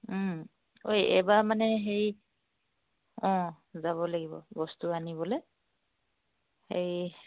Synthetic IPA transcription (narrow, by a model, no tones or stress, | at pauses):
ojɛ̰bamanɛɦej | ɔ̃ | zaβɔlaɡibɔ̰bɔstuanibɔlɛ | hej